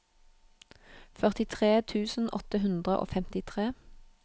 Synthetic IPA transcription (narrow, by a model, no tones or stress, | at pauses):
fœʁt̪ɪt̪ʰʁeːt̪ʰʉːsn̩ʔɔt̪əɦʉnd̪ʁəʔo̰ːfɛmt̪ɪt̪ʰʁeː